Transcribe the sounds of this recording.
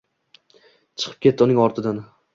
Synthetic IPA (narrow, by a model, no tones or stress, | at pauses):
t͡ʃʰɨ̥qʰɨ̥p̚kʲe̞t̪ʰːɪʊnɪŋɒɾt̪ʰɪd̪an